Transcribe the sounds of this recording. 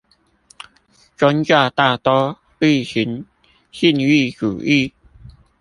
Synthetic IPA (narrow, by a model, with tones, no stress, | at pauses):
t͡ɕwa˦nt͡ɕja˥˧˨t̪aː˥˧t̪ɔ˦ | i˥˨ɕi˨˦n | ɕi˥˧˨ni˥˧˨kṵ˨˩ʔi˥˧˨